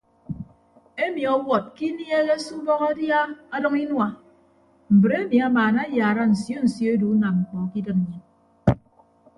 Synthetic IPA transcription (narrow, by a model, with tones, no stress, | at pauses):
e˦mi˨ɔ˨wɔ˨t̚ki˦nje˦ɣe˦su˦bɔ˦ɣa˦dja˦a˦dɔ˦ŋi˦nwa˨ | m̩˨bɾe˦mi˨a˦maː˨na˦jaː˨ɾa˦n̩˨sjo˦n̩˨sjo˦e˦du˨˦na˨mŋ͡m̩˨k͡pɔ˨ki˦dɨ˦m˨ɲe˨n